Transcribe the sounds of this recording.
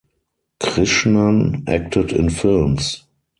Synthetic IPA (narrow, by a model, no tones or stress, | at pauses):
kʁɪʃmãnʔæ̰k̚tʰətɪ̰̃nfɪlms